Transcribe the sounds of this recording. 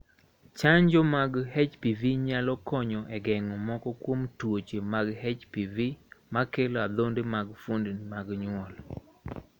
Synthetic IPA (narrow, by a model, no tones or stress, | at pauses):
t͡ʃaɲd͡ʒɔmaɡhɛt͡ʃpiviɲalɔkɔɲɔʔɛɡɛŋɔmɔkɔkwomtwot͡ʃemaɡhɛt͡ʃpivimakelɔad̪ondemaɡfondinmaɡɲwɔl